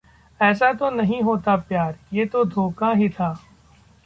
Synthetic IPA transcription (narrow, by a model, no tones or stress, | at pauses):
ɛːs̬at̪onɐɦĩɦoːt̪apjaːɾjeːt̪od̪ʱoːkaɦit̪ʰaː